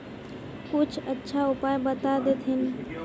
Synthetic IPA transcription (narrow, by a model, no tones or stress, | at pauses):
kʊt͡ʃʰətːʃʰaʊpajbət̪ad̪et̪ʰɦɪn